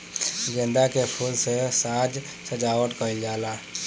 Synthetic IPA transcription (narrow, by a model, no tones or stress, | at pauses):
d͡ʒẽnd̪akepʰuːlsesaːd͡ʒ | səd͡ʒaːwəʈkəild͡ʒaːlaː